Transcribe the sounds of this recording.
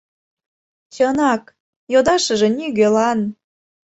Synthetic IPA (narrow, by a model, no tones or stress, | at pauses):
t͡ɕɤnɑk | jod̪ɑʃə̆ʒĕnʲyɣelɑn